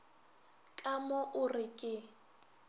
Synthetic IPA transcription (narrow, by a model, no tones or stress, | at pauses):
kʼamʊʔʊrɪkʼɪ